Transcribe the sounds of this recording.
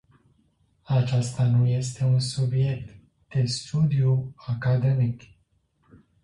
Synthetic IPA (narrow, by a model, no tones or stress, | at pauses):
at͡ʃast̪anuje̞st̪e̞unsubje̞k̚t̪ | d̪̥e̞st̪ud̪iuakad̪enikʲ